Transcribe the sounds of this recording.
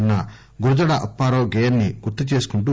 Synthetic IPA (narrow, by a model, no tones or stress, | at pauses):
nːɐ | ɡuɾud̪ɐɽɐʔɐpːaːɾoːɡejɐnnːiɡut̪ːɐt͡ʃeːsu̥kuɳʈu